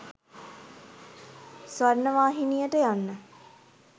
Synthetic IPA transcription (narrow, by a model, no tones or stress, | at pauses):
sʋaɾnəʋaːɦinijəʈəjanːə